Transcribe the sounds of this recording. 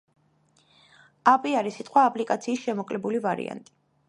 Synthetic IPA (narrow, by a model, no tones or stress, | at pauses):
apʼiaɾisit̪ʼqʼwaːpʼlikʼat̪sʰiːsʃɛmɔkʼlɛbulivaɾḭa̰nt̪ʼi̥